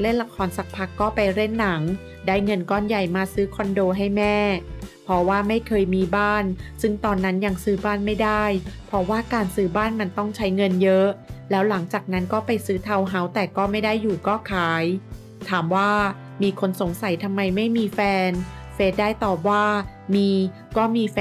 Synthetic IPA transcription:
le˥˩nla˧kʰɔː˧nsa˨˩k̚pʰa˨˦˩kːɔː˥˩pa˧jɾe˥˩nːa˩˦ŋ | daː˥˩jŋɤ˧nkɔː˥˩nja˨˩jmaː˧sɯː˦˥kʰɔ˧ndoː˧ɦa˥˩jmɛː˥˩pʰɾɔ˦˥waː˥˩ma˥˩jkʰɤː˧jmiː˧baː˥˩nsɯ˥˩ŋt̪ɔː˧nːa˦˥nja˧ŋsɯː˦˥baː˥˩nma˥˩jdaː˥˩jpʰɔ˦˥waː˥˩kaː˧nsɯː˦˥baː˥˩nma˧nt̪ɔ˥˩ŋt͡ɕʰa˦˥jŋɤ˧njɤ˦˥lɛː˦˥wla˩˦ŋt͡ɕaː˨˩k̚na˦˥nkɔː˥˩pa˧jsɯː˦˥t̪ʰa˧wɦa˦˥wt̪ɛː˨˩kɔː˥˩ma˥˩jdaː˥˩jːuː˨˩kɔː˥˩kʰaː˩˦j | t̪ʰaː˩˦mwaː˥˩ | miː˧kʰo˧nso˨˩˦ŋsa˨˩˦jt̪ʰa˧mːa˧jma˥˩jmiː˧fɛː˧nfeː˦˥t̪̚daː˥˩jt̪ɔː˨˩p̚waː˥˩ | miː˧ | kɔː˥˩miː˧f

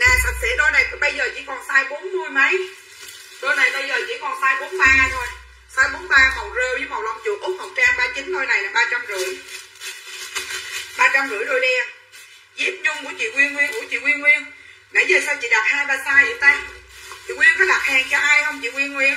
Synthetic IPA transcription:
naː˨˩sa˨˩t̚sḛ˧˥ɗo˧jna˨˩jt̪ɓə˧jzəː˨˩t͡ɕḭ˧˥kɔ˨˩nsaː˧jɓo˨˦nmɨ˧əjmə˨˦j | ɗo˧jna˨˩jɓə˧jzəː˨˩t͡ɕḭ˧˥kɔ˨˩nsaː˧jɓo˨˦nɓaː˧t̪ʰo˧j | saː˧jɓo˨˦nɓaː˧kɔ˨˩zəː˧ɓi˧˨˦m̚˨˩la̰˨˩wŋ͡mzu˨˩ʔʊ˦˥k͡p̚hɔ˨˩k͡p̚t͡ɕaː˧ŋɓaː˧t͡ɕï˨˦ŋɗ̪o˧jna˨˩jlaː˨˩ɓaː˧t͡ɕa˧mzɨ̰˧˩˨əj | ɓaː˧t͡ɕa˧mɣɨ̰˧˩əjɗ̪o˧jɗɛ˧ | zi˦˥p̚ɲʊ˧ŋ͡mku˧˩˥ət͡ɕḭ˧˨ŋwi˧ənŋwi˧əŋkṵ˧˩ət͡ɕḭ˧˨ŋwi˧ənŋwi˧ən | na̰˧˥jzəː˨˩saː˧wt͡ɕḭ˧˨ɗa˨˩p̚haː˧jɓaː˨˩saː˧jzɨ̰˨˧˩t̪a˨˦˥t̪ḭ˨ŋwi˧ənkɔ˨˦ɗaː˨˩haː˨˩ŋt͡ɕɔ˧ʔaː˧jhə˧wŋ͡mt͡ɕḭ˧˨ŋwi˧ənŋwi˧ən

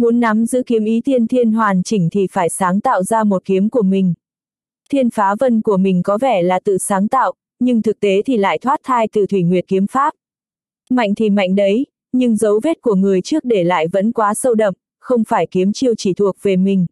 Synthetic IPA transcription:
mu˨˦nːa˨˦mzɨ̰˧˥ki˨˦əmʔi˨˦t̪i˧ənt̪ʰi˧ənɦwaː˨˩nt͡ɕï˧˩ŋ̟t̪ʰi˨˩faː˧˩jsaː˨˦ŋt̪a̰ː˧˨wzaː˧mo˨˩t̚ki˨˦əmku˧˩əmï˨˩ŋ̟ | t̪ʰi˧ənfaː˨˦və˧nku˧˩əmï˨˩ŋ̟kɔ˨˦vɛ˧˩laː˨˩t̪ɨ̰˧˨saː˨˦ŋt̪a̰ː˧˨wʔ | ɲɨ˧ŋt̪ʰɨ˨˩k̚t̪e˨˦t̪ʰi˨˩la̰ː˧˨jt̪ʰwaː˦˥t̚t̪ʰaː˧jt̪ɨ̰˨˧˩t̪ʰwi˧˩ŋwi˨˩ət̚ki˨˦əmfaː˦˥p̚ | ma̰˧˨jŋ̟t̪ʰi˨˩ma̰˧˨jŋ̟ɗə˨˦j | ɲɨ˧ŋzə˨˦wve˦˥t̚ku˧˩əŋɨ˨˩əjt͡ɕɨ˦˥ək̚ɗe˧˩la̰ː˧˨jvə̰˧˥nkwaː˨˦sə˧wɗə̰˨˩m̚ | xə˧wŋ͡mfaː˧˩jki˨˦əmt͡ɕi˧əwt͡ɕi˧˩t̪ʰu˨˩ək̚ve˨˩mï˨˩ŋ̟

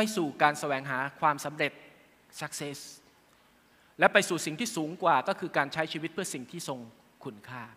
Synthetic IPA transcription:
pa˧jsuː˨˩kaː˧nsa˧wɛː˨˩˦ŋɦaː˩˦kʰwaː˧msa˩˦mɾe˨˩t̪̚ | sa˦˥k̚se˦˥s | lɛ˦˥pa˧jsuː˨˩si˨˩ŋt̪ʰiː˥˩suː˩˦ŋkwaː˨˩kɔː˥˩kʰɯː˧kaː˧nt͡ɕʰa˦˥jt͡ɕʰiː˧wi˦˥t̪̚pʰɯ˥˩ɐsi˨˩ŋt̪ʰiː˥˩so˧ŋ | kʰu˧˥nkʰaː˥˩

